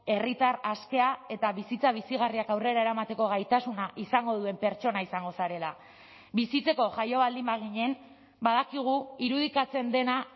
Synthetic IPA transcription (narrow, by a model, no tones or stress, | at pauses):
e̞rit̪araske̞ae̞t̪aβisit͡saβisiɣariakawre̞ɾaeɾamat̪e̞ko̞ɣ̞ajt̪asunaʔisaŋɡo̞ðue̞mpe̞ɾt͡ʃo̞naisaŋɡo̞saɾe̞la | βisit͡se̞ko̞ʝajo̞βald̪imbaɣ̞iɲe̞n | baðakiɣ̞uiɾuðikat͡se̞nd̪e̞na